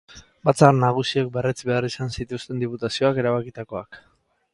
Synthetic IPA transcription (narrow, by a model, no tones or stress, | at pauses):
bat͡sarnaɣ̞usiek̚beret͡sbe̞arisansit̪ust̪e̞nd̪iput̪asio̞ake̞ɾaβakit̪ako̞ak